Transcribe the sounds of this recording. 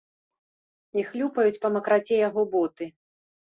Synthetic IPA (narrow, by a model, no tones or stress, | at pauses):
ixlʲupɐjut͡sʲpɐmɐkɾat͡sʲɛjaɣɔbɔt̪ɨ